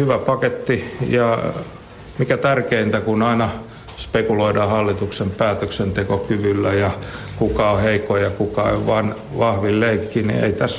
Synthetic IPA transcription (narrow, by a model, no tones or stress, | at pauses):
hyʋæpɑket̪ːijɑ | mikæt̪ærkeint̪ækunɑinɑ | spekuloidɑːhɑlːit̪uksempæːt̪øksent̪ekokyʋylːæjɑkukɑoheikojɑkukɑḛʋʋɑn | ʋɑhʋilleikːinḭḛit̪æs